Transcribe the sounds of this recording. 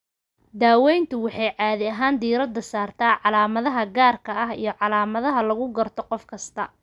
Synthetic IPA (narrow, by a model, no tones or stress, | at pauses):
d̪aːwɛjnt̪ʰʊwɑħɑjʕɑːðɪɐɦaːnd̪iːɾɐd̪ɐsaːrt̪ʰaːʕɑlaːmɐðɐɦɐɡaːrkʰɐɐɦḭjɞʕɑlaːmɐðɐɦɐlɐɣʊɡɐrt̪ʰɔqɔfkʰɐst̪ʰɐ